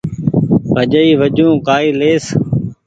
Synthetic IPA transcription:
ʋəd͡ʒəiːʋəd͡ʒũːkaːiːleːs

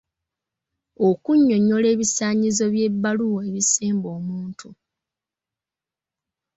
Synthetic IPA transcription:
okuɲːo̞ɲːole̞ːβisaːɲizo̞βje̞bːaluwoeβiseːmbo̞ːmuːntʰu

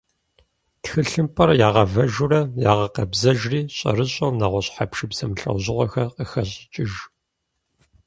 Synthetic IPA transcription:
txɨɬɨmpʰʼɐrjaːʁɐvɐʒʊrɐjaːʁɐqɐbzɐʒriːɕʼɐ̰rɨɕʼɐwnaʁʷɔɕʼħapʃɨbz̥ɐmɬʼɐ̰wʑɪʁʷɔxɐrqəxɐɕʼɪt͡ʃʼɪʒ

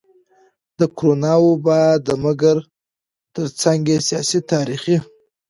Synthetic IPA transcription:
d̪əkɾonɑwobɑd̪əməɡəɾ | t̪əɾt͡saŋɡesijɑsit̪ʰɑɾiχi

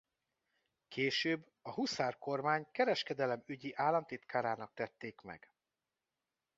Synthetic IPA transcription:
kʰeːʃøːbː | ɒɦusaːrko̞rmaːɲkɛɾɛʃkɛd̪ɛlɛmyɟiʔaːlːɒnt̪it̪kaːɾaːnɒk̚t̪ɛt̪ːeːkmɛ̰ɡ̥

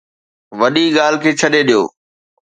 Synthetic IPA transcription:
ʋɐɗiɠaːl̤ɪkʰeːt͡ɕʰɐɗeɗijo̰ː

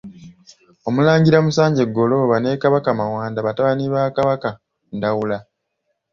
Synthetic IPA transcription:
o̞mulaːɲɟiɾamusaːɲɟe̞ɡːo̞lo̞βane̞kaβakamawaːndaβataβaniβakaβaka | ndawula

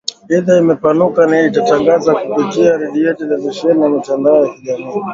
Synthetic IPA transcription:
ɛðaimɛpanukanaitataŋɡazakupitiaɾɛɗijɛtɛlɛviʃɛnijamitandaɔjakiʄamii

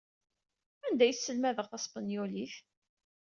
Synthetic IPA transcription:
ænd̪æjsːəlmæðəʁθɑsˤpənjoliθ

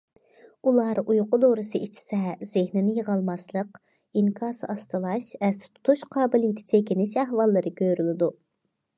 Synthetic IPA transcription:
ulˠɑɾujqʊd̪oɾɨsɨʔit͡ʃʰi̥sɛz̥ɪhnɪnɪjəʁɑlˠmɑslˠəq | iŋkʰɑːsɨɑst̪ɨlˠɑʃvɛst̪ʰu̥t̪ʰuʃqʰɑːbɪlijt̪ʰɪ̥t͡ʃʰɛkʲinɪʃɛɦwɑlˠːɨɾɨkʲøɾylɪd̪u

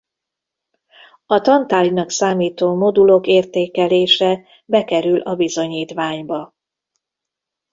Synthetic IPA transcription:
ɒt̪ɒnt̪aːlinɒksaːmiːt̪oːmo̞d̪ulo̞keːrt̪eːkɛleːʃɛ | bɛkɛɾylʔɒbizo̞ɲiːt̪ʋaːɲbɒ

